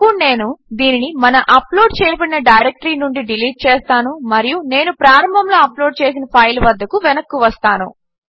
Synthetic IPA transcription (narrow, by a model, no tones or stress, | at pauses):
une̞ːnud̪iːninimɐnɐʔɐplo̞ːɖt͡ʃɛːjːpɐɽinɐɖɐjɾek̚ʈɐɾiːnuɳɖiɖiliːʈ̚t͡ʃeːst̪aːnumɐɾijune̞ːnupɾaːɾɐmbʱɐmlo̞ːɐplo̞ːɖt͡ʃe̞ːs̬inɐpʰɐjlʋɐd̪ːɐkuʋɛnɐkːuʋɐst̪aːnṵ